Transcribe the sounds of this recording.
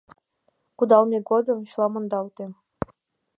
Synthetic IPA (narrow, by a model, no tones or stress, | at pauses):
kud̪ɑlˠmʲeɡod̪ɤ̆ɕlˠɑmɤ̆nd̪ɑlt̪ʲe